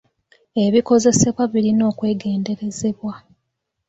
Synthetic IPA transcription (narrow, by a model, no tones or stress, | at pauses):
e̞βiko̞ze̞se̞βwaβiɾino̞ːkwe̞ːɡe̞ːnde̞ɾe̞ze̞βwa